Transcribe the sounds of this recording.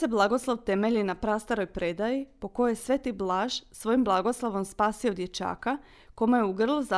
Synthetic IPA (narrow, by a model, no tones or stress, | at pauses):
eblˠaɡo̞slˠoʋt̪e̞meʎinapɾast̪aɾo̞jpɾed̪ajipo̞ko̞jejesʋe̞t̪iblˠaːʒ̥sʋo̞jimblˠaɡo̞slˠaʋo̞mspaːsio̞d̪je̞t͡ʃa̰ːka | komajeuɡr̩lˠuza